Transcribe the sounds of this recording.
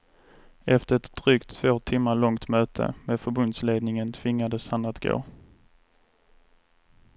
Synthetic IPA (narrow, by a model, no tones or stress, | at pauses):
ɛft̪əɾɛt̪d̪̥ɾyːkt̪ʰːv̥oːt̪ʰɪmːaɭɔŋt̪møːt̪ʰə̰meːd̪fœɾbɵnd̪sleːd̪nɪŋənt̪ʰv̥ɪŋːad̪əshanat̪ɡ̥o̰ː